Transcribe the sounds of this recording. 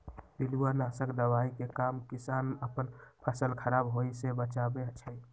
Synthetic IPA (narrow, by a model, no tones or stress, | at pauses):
piluanasəkd̪əwaikekamkɪsaːnəpənpʰəsəlkʰəɾabɦoisebət͡ʃabet͡ʃʰə